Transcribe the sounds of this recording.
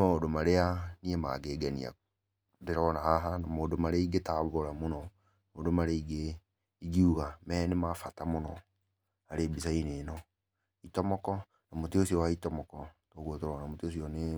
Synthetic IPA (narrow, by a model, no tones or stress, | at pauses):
maodomaɾeaniema̰ɡeːɡanḭa̰ | deɾɔnahaɦanamoːdomaɾeiɡetaβoɾamonɔ | moːdomaɾeiɡe | iɡiuɣamɛnemafatamonɔ | aɾebisaineːnɔ | itɔmɔkɔ | namoteosiɔwaitɔmɔkɔtoːɣotoɾɔnamoteos̬iɔne